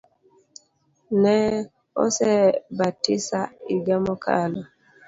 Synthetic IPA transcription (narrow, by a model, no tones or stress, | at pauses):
nɛ | ɔ̰sɛbatisaiɡamɔkʰa̰lɔ